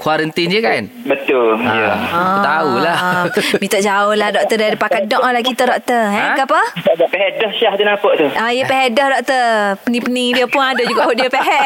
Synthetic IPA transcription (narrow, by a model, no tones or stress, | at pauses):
kwaɾənt̪ind͡ʒəkan | bət̪ʊljə̃t̪aulahmit̪ɔʔd͡ʒaʊhlahdɔk̚t̪ədaɾipakadɔʔɔlakit̪ədɔʔ̚t̪əɦɛ̃ɡapəaʔɡaʔpɛɦɛʔdɔhʃaht̪unapəʔt̪uaijəpɛɦɛʔdɔhdɔk̚t̪əpənipənidiəpʊnadoʔd͡ʒuɡaʔoʔdiəpeɦɛʔ